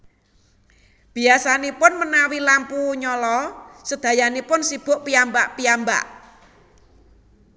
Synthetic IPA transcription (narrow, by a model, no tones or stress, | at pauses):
b̥i̤asanipʊnmənawilampuɲɔlɔsəd̪̥ä̤janipʊnsib̥ʊ̤ʔpiambaʔpiamba̰ʔ